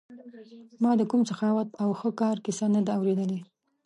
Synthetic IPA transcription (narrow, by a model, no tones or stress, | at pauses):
mɑd̪əkumsaxɑwat̪awxəkɑɾkɪsanad̪aːwɾed̪əle